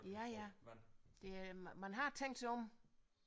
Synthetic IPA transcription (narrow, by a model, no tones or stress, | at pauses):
jæjæ | d̥e̝mænɦɑt͡sʰeŋ̰d̥sʰeɔm